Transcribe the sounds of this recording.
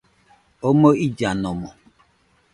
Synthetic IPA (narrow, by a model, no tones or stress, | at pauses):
omoid͡ʒanɔmɔ